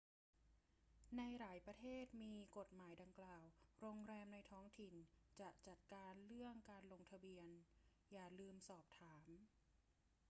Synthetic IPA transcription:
na˧jɾaː˩˦jpɾa˧t̪ʰeː˥˩t̪̚miː˧ko˨˩t̪̚maː˩˦jda˧ŋklaː˨˩wɾoː˧ŋɾɛː˧mna˧jt̪ʰɔː˦˥ŋt̪ʰi˨˩nt͡ɕa˨˩t͡ɕa˨˩t̪̚kaː˧nɾɯ˥˩əŋkaː˧nlo˧ŋt̪ʰa˧bi˧ən | jaː˨˩lɯː˧msɔː˨˩p̚t̪ʰaː˩˦m

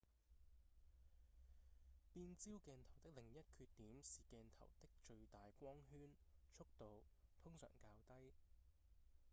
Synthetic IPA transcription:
piː˧nt͡siː˥wkɛː˧nt̪ʰɐ˨˩wt̪ɪ˥k̚lɪ˨˩ŋjɐ˥t̚kʰyː˧t̚t̪ːiː˨˥msiː˨˩kɛː˧nt̪ʰɐ˨˩wt̪ɪ˥k̚t͡ʃɵ˧ɥt̪aː˨jkʷɔː˥ŋɦyː˥nt͡ʃʰʊ˥k̚t̪o˨wt̪ʰʊ˥ŋsœ̰ː˨˩ŋkaː˧wt̪ɐ˥j

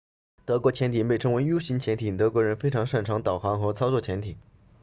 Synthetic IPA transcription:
t̪ɤ˧˥kwɔ˧˥t͡ɕʰjɛ˧˥nt̪ʰi˨˩pe˥˩ɪʈ͡ʂʰɤ˧˥ŋwe˧˥ɪjo˥ʊɕi˧˥nt͡ɕʰjɛ˧˥nt̪ʰi˨˩t̪ɤ˧˥kwɔ˧˥ɻə˧˥nfe˥ɪʈ͡ʂʰɑ˧˥ŋʂa˥˩nʈ͡ʂʰɑ˧˥ŋt̪ɑ˨˩ʊxɑ˧˥ŋxɤ˧˥t͡sʰɑ˥ʊt͡sɔ˥˩t͡ɕʰjɛ˧˥nt̪ʰi˨˩˦

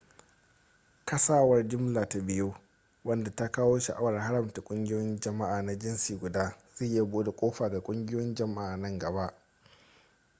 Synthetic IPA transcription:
kɐ˦saː˦wɐ˦rd͡ʒɪ˦mlaː˨ta˨bɪ˦joː˦ | wɐ˦nda˨ta˦kaː˦woː˦ʃɐ̰˨ʔa˦wɐ˨rɦa˦ɾɐ˨mta˨kʷʼʊ˦ŋɡʲɪ˦jjɔ˦nd͡ʒɐ˨ma˦ʔaː˨na˦d͡ʒɪ˦nsiː˨ɡʷʊ˨daː˦ze˦˨ja˦boː˦da˨kʷʼoː˦ɸaː˨ɡa˨kʷʼʊ˦ŋɡʲɪ˦jnd͡ʒɐ˨ma˦ʔaː˨nɐ˦ŋɡɐ˨ba˦ʔ

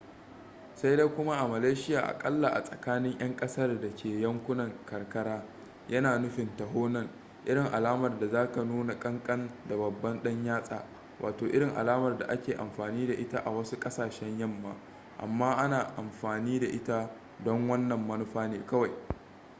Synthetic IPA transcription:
sa˦jde˦jkʷʊ˦ma˦ʔa˨mɐ˨leː˦ʃɪ˦jaː˨ʔa̰˨kʼɐ˦lːa˨ʔa̰˨sʼɐ˨kaː˦nɪ˦ŋʔj̰ɐ˦ŋkʼɐ˦sɐ˦rdɐ˨kʲʰeː˨jɐ˦ŋkʷʊ˦nɐ˨ŋkɐ˨rkɐ˦ɽaː˦ | jʔɐ˦naː˨nʊ˦ɸɪ˨ntɐ˨ɦoː˦nɐ˦ŋ | ʔɪ˦ɽɪ˨ŋʔa˨laː˦mɐ˨rda˨zaː˦ka˨nuː˦na˨kʼɐ˦ŋkʼɐ˦nda˨bɐ˨bːɐ˦nɗɐ˦ɲjaː˦sʼa̰ː˨ | wʔa̰ː˨toː˨ʔɪ˦ɽɪ˨ŋʔa̰˨laː˦mɐ˨rda̰˨ʔa˦kʲeː˨ʔa̰˨mɸaː˨niː˦da˨ʔɪ˦ta˦ʔa̰˨wɐ˦su˦kʼɐ˦saː˨ʃɛ˦ɲjɐ˦mːa̰ː˨ | ʔa̰˨mːaː˦ʔa˦naː˨ʔa˨mɸaː˨niː˦da˨ʔɪ˦ta˦ | dɔ˦ŋwɐ˦nːɐ˨mːɐ˦nʊ˦ɸaː˦neː˨kɐ˦wa˨j

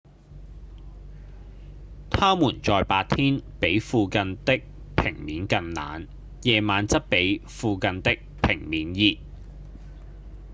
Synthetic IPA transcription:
t̪ʰaː˥muː˨˩nt͡sɔː˨˧jpaː˧t̚t̪ʰiː˥npe˨˥jfuː˧kɐ˧nt̪ɪ˥k̚ | pʰɪ̰˨˩ŋmiː˨˥nkɐ˧nna̰ː˨˥n | jɛː˨˧maː˨˥nt͡sɐ˥t̚pe˨˥jfuː˧kɐ˧nt̪ɪ˥k̚pʰɪ˨˩ŋmiː˨˥njiː˧t̚

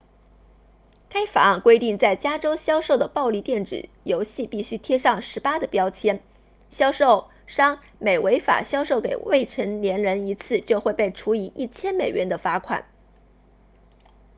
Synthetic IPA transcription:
kʰa˥ɪfa̰˨˩a˥˩nkwe˥ɪt̪i˥˧ŋt͡sa˥˩ɪt͡ɕja˥ʈ͡ʂo˥ʊɕjɑ˥ʊʂo˥˩ʊd̪ə˩pɑ˥˧ʊli˥˧t̪jɛ˥˩nʈ͡ʂɻ̩̰˨˩ | jo˧˥ʊɕi˥˧pi˥˩ɕy˥t̪ʰjɛ˥ʂɑ˥˩ŋʂɻ̩˧˥pa˥d̪ə˨pjɑ˥ʊt͡ɕʰjɛ˥n | ɕjɑ˥ʊʂo˥˩ʊ | ʂɑ˥ŋ | me˨˩ɪwe˧˥ɪfa̰˨˩ɕjɑ˥ʊʂo˥˩ʊkḛ˨˩ɪwe˥˩ɪʈ͡ʂʰə˧˥ŋljɛ˧˥nɻə˧˥ni˧˥t͡sʰɹ̩˥˧t͡ɕjo˥˧ʊxwe˥˧ɪpe˥˩ɪʈ͡ʂʰu˧˥i˧˥ʔi˥˩t͡ɕʰjɛ˥nme˨˩ɪɥɛ˧˥nd̪ə˧fa˥kʰwa̰˨˩˦n

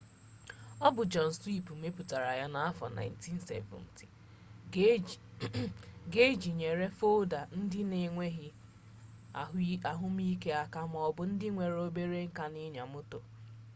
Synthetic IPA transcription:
ɔ˦bʊ˨d͡ʒɔ˨n̩˨swi˦˨pm̩e˦pu˨ta˨ɾa˨ja˦na˨a˦fɔ̰˨na̰˨ɪ˦n˦ti˦n̩˨sḛ˦vʊ̰̃˨n˨tʰi̥˨ | ɡe˦d͡ʒi˨ɲe˨ɾe˦fo˦da˨n̩˦dɪ˦ne˨ŋʷe˦ɦi˦˨ | a˨ɦʊ˦m˦i˦ke˦a˨ka˦m˦ɔ˦˨bʊ˨˦n̩˦dɪ˦ŋʷe˨ɾo˦be˦ɾe˦ŋ̩˦ka˦nɪ˦ɲa˨mʊ˦to˨

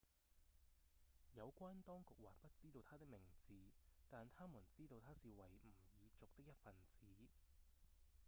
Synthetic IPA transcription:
jɐ˨˧wkʷaː˥nt̪ɔː˥ŋkʊ˨k̚waː˨˩npɐ˥t̚t͡siː˥t̪o˧wt̪ʰaː˥t̪ɪ˥k̚mɪ˨˩ŋt͡siː˨˧t̪aː˨nt̪ʰaː˥mu˨˩nt͡siː˥t̪o˧wt̪ʰaː˥siː˨wɐ˨˩jm̩˨˩jiː˨˧t͡sʊ˨k̚t̪ɪ˥k̚jɐ˥t̚fɐ˨nt͡siː˨˦

